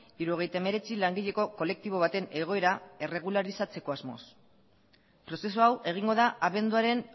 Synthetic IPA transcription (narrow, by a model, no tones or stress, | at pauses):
iɾuo̞ɣ̞e̞jt̪aeme̞ɾe̞t͡silaŋɡiʎe̞ko̞ko̞le̞k̚t̪iβ̞o̞β̞at̪e̞ne̞ɣ̞o̞e̞ɾae̞re̞ɣ̞ulaɾisat͡se̞ko̞azmo̰s | pɾo̞se̞s̬uawʔe̞ɣ̞iŋɡo̞ðaʔaβe̞nd̪uaɾe̞n